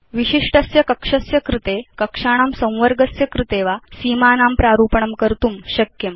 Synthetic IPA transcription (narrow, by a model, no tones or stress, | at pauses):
ʋiɕiʂʈəsjɐkəkʂɐsjɐkɾit̪ekəkʂaɽ̃amsə̃w̃ʋəɾɡəsjɐkɾit̪eʋasiːmanampɾaɾuːpəɳ̃əmkəɾt̪uːmɕəkjəm